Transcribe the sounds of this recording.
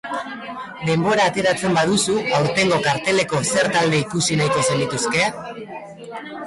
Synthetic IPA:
d̪e̞mbo̞ɾaːt̪e̞ɾat͡se̞mbaðusuawɾt̪e̞ŋɡo̞kaɾt̪e̞le̞ko̞se̞ɾt̪ald̪e̞ikusinajko̞se̞nd̪it̪uske̞

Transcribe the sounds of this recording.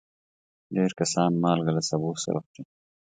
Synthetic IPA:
ɖeːɾkɐsɑːnmɑːlɡalasɐbuːsɐ̰ɾɐ̰xt͡ʃe

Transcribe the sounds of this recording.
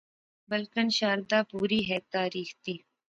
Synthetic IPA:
bəlkənʃaːɾd̪aːpuːɾiːɦɛːt̪aːɾiːxt̪iː

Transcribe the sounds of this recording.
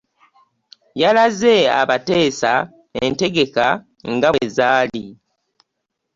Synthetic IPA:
jalaze̞a̰βate̞ːsa | ente̞ɡe̞ka | ŋɡaezaːli

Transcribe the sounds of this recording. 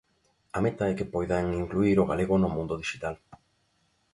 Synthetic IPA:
amet̪aɛkɪpojðaŋiŋkluiɾoɣaleɣʊnʊmũnd̪oðiʃit̪al

